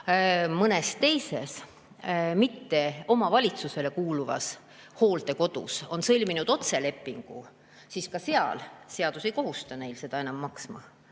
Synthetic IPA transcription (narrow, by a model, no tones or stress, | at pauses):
mɤnest̪e̞jse̞s | mit̪ːe̞o̞mɑvɑlʲit̪suse̞le̞kuːluvɑ̰s | ho̞ːld̪e̞ko̞d̪̥ṵso̞nsɤlʲminud̪̥o̞t̪se̞le̞pˑːiŋɡ̥ṵ | siːskɑse̞ɑ̰lse̞ɑd̪̥use̞jko̞ɦust̪ɑne̞jlse̞d̪̥ɑe̞nɑmːɑksmɑ̰